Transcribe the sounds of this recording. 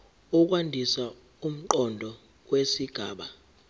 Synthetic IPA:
uk̬ʼwandʱisa | um̩ǃɔndʱɔ | k̬ʼwesiɡ̥ʱaːɓa

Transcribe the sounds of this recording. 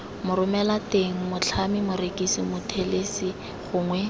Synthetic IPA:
mʊɾʊmɛlateŋ̩mʊt͡ɬʰamɪmʊɾekisimʊtʰelesɪ | ɣʊːŋwɛ

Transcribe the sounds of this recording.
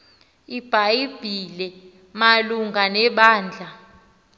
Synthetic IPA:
ib̥ʱaib̥ʱilɛ | maluŋɡʱanɛɓaːnd͡ɮʱa

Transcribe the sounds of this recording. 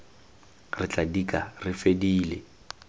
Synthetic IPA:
rɪt͡ɬʼadikʼarɪfediːle

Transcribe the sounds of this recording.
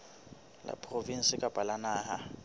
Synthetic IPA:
la̰pʰʼrovin̩sɪkʼab̥ʼalanaːɦa

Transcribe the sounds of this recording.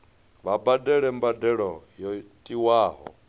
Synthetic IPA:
βabadɛɺɛmbadɛɺɔjɔtʼiwaːɦɔ̰

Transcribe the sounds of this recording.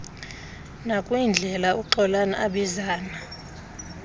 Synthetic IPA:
nakʼwind͡ɮʱɛlauǃɔlanaʔaɓizaːna

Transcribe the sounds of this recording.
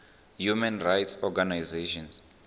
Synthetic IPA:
jumɛ̃nrajtsɔɡanajzeʃɔ̃ns

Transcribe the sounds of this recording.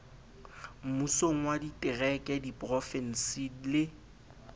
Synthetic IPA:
m̩musoŋ̩waditʼɪrɛkʼɛdipʼrɔfɛn̩silɪ

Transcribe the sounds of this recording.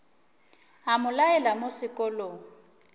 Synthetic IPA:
amʊlaɛlamosɪkʼɔlɔ

